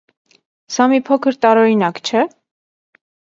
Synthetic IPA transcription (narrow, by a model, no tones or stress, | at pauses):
sɑmipʰɔkʰəɾt̪ɑɾɔɾinɑkt͡ʃʰɛ